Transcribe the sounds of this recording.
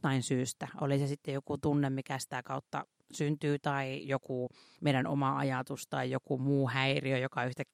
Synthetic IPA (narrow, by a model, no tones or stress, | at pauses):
t̪ɑinsyːst̪æʔo̰lisesit̪ːejokut̪unːemmikæsi̥t̪ækɑut̪ːɑ̰ | synt̪yːt̪ɑijokuˑ | meiɾæno̰mɑɑ̰jɑt̪ust̪ɑijokumuːhæiriøjokɑyht̪ækː